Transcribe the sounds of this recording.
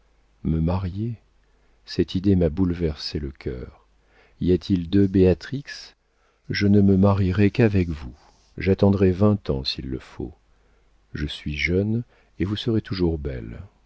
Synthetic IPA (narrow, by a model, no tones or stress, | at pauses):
məmaʁje | sɛt̪ʰid̪emabulvɛʁseləkʰʲœ̰ːʁ | iat̪ʰild̪øbeat̪χiks | ʒənəməmaʁiʁɛkavɛkvu | ʒat̪ɑ̃d̪ʁɛvɛ̃t̪ɑ̰̃silːə̰fo̰ | ʒəsɥiʒœn | evusəʁet̪ʰuʒuʁbɛ̰l